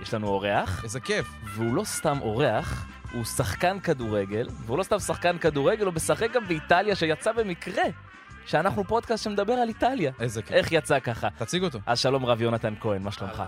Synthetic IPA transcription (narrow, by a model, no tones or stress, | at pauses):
jeʃlanuo̞ʁe̞aχezekef | veulo̞st̪amʔo̞ʁeaχ | husaχkankad̪uʁe̞ɡe̞lveulo̞st̪amsaχkankaduʁeɡelubesaχek̚ɡambeit̪aljaʃejat͡sabe̞mikʁe̞ | ʃeanaχnupo̞d̪kastʃemedabe̞ʁalit̪aljaezekʔe̞χjat͡sakaχat̪at͡siɡot̪oʔazʃalo̞mʁavjo̞nat̪ankoenmaʃlomχa̰